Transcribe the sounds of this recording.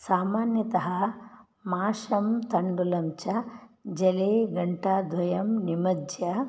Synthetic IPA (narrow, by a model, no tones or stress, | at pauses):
saːmaːnjɐt̪ɐɦɐ | maːʃɐmt̪ɐɳɖulɐmt͡ʃɐd͡ʒɐleːɡɐɳʈad̪ʱʋɐjɐmnimɐd͡ʒjɐ